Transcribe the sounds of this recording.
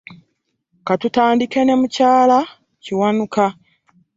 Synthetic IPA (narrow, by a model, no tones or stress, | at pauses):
katutaːndike̞nemucaːla | ciwanuka